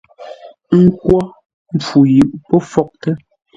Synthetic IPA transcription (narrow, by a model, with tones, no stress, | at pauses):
ŋ̩˦kwɔ˦ | m˦p͡fu˨ji˨ʔpɔ˦fɔ˦k̚tə˦